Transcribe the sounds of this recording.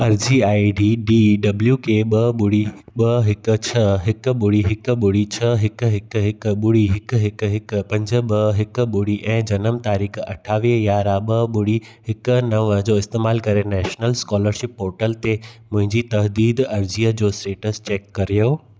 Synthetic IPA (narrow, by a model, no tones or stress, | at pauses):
ɐɾd͡ʑiaːiɖiːɖiːɖɐbljuːkeːɓɐɓʊɽiɓɐɦɪkʊ̆t͡ɕʰɐɦɪkʊ̆ɓʊɽiɦɪkɓʊɽit͡ɕʰɐɦɪkɦɪkɦɪkʊɓʊɽiɦɪkɦɪkɦɪk̆pɐ̃ɲd͡ʑə̆ɓɐɦɪkʊ̆ɓʊɽiʔɛ̃ːd͡ʑɐnəmt̪aːɾiːkɐ̰ʈʰaːʋijaːɾaɓɐɓʊɽi | hɪkʊ̆nɐʋəd͡ʑoːɪst̪eːmaːlkɐɾenɛːʃnəlskɔːləɾʃɪpɦoːɾʈəlt̪emʊ̃ɦɪ̃ɲd͡ʑit̪ɐɦd̪iːd̪ɐɾd͡ʑiːəd͡ʑoːsʈeːʈəst͡ɕeːkːɐɾijoː